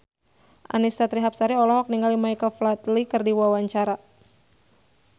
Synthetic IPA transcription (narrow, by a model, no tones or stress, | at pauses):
ʔa̰nisat̪ɾiɦap̚saɾiɔlɔɦɔk̚niŋɡalimajkəlflat̪likɨrdiwawaɲt͡ʃaɾa